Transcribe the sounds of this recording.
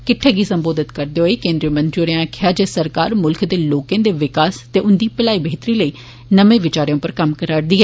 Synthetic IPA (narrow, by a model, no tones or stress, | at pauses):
kɪʈʰeːɡiːsəmboːd̪ɪt̪kəɾd̪eːɦoeːkẽːnd̪ɾiəmə̃nt̪ɾioːɾãkʰɪjaːd͡ʒeːsəɾkaːɾmʊlkʰd̪eːloːkẽːd̪eːʋɪkaːst̪eːʔʊnd̪iːpəlaːiːbəɦɪt̪ɾiːləiː | nəʋẽːʋɪt͡ʃaːɾjõːpəɾkəmkəɾaːɽd̪iːɦɛː